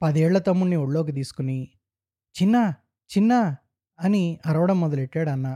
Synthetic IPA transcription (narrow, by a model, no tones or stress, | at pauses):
pɐd̪ɛːɭːɐt̪ɐmːuɽnioɽloːk̬it̪̬iːsu̥kuni | t͡ʃinːɐ | t͡ʃinːɐ | ɐniɐɾɐʋɐɽɐmːɔd̪ɐleʈːaːɽɐnːaː